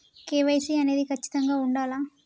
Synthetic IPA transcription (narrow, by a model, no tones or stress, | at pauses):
keːʋɐjsiːɐne̞ːd̪ikʰɐt͡ʃːi̥t̪ɐŋɡaːuɳɖaːlaː